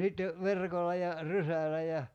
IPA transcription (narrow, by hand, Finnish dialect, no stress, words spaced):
sitːe ʋerkolˑɑ jɑ rysælæ jɑ